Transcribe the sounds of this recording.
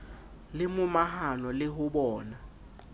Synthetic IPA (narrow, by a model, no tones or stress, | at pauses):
lɪmʊmaɦanɔlɪɦʊɓɔːna